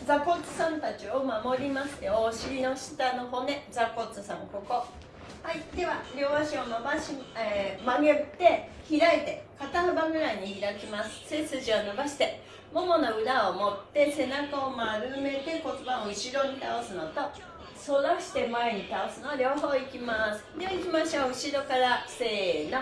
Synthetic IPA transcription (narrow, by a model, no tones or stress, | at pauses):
d͡zako̞t͡sɨ̥sãnt̪at͡ɕio̞mamo̞ɾʲimast̪e̞oːɕiɾʲino̞ɕi̥t̪ano̞ɦo̞ne̞d͡zako̞t͡sɨsãŋko̞ko̞ | haid̪e̞βaɾʲo̞ːβaɕio̞mabaɕiemaɡet̪ːe̞çiɾaet̪e̞kat̪anobaɡɯ̟ɾaɲ̟içiɾakʲimasɨ̥se̞t͡sɨʑionobaɕi̥t̪e̞ | mo̞mo̞no̞ɯ̟ɾaomo̞t̪ːe̞se̞nakaomaɾɯ̟me̞t̪e̞ko̞t̪obãoɯ̟ɕiɾo̞ɲ̟it̪ao̞sɨno̞t̪o̞ | so̞ɾaɕi̥t̪e̞mae̞ɲ̟it̪ao̞sɨnoaɾʲjo̞ːɦo̞ːikʲimasɨ̥d̪e̞βaikʲimaɕoɯ̟ɕiɾo̞kaɾase̞ːno